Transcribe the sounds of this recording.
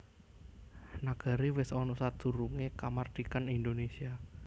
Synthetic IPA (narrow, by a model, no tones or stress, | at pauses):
naɡ̥a̤ɾiwɪsɔnɔsad̪̥ṳɾuŋekamard̪̥ikanind̪onesia